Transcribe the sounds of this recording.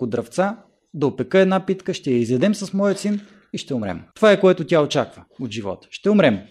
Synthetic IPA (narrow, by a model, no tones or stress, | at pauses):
kʊd̪ɾɐft̪sa | d̪ɐopɛkɤɛd̪napit̪kəʃt̪ɛjɐizɛd̪ɛmsɐsmɔjət̪sin | iʃt̪ɛʊmɾɛ̰mt̪ovaɛkoɛt̪ʊtʲjaot͡ʃakvəod̪ʒivɔ̰t̪ə̥ʃt̪ɛʊmɾɛm